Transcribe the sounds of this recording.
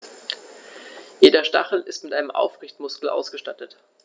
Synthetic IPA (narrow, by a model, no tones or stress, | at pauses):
jeːdɐʃta̰χl̩ɪstmɪtʔaɪnəmʔa̰ʊfʁ̥ɪçtmʊskl̩ʔa̰ʊsɡ̥əʃtatət